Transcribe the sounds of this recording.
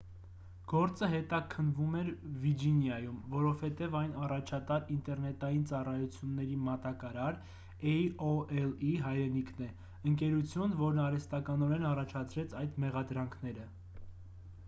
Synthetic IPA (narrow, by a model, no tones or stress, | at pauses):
ɡ̥ɔɾt͡səɦɛt̪ɑkʰənvumɛɾvid͡ʒinjɑjumvɔɾɔv̥hɛt̪ɛvɑjnɑrɑt͡ʃʰɑt̪ɑɾint̪ɛɾnɛt̪ɑjint͡sɑrɑjut͡sʰjunːɛɾimɑt̪ɑkɑɾɑɾ | ɛɔɛliɦɑjɾɛnikʰnɛ | əŋkɛɾut͡sʰjunvɔɾnɑɾɛst̪ɑkɑnɔɾɛnɑrɑt͡ʃʰɑt͡sʰɾɛt͡sʰɑjd̪mɛʁɑd̪ɾɑŋkʰnɛɾə